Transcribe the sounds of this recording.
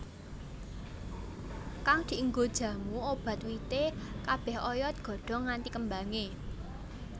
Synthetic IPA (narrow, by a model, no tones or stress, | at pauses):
kaŋd̪̥i̤əŋɡod̥ʒ̥ä̤muob̥ä̤t̪wit̪ekab̥ɛ̤hɔjɔt̪̚ɡ̥ɔ̤ɖ̥ɔ̤ŋant̪ikəmbaŋe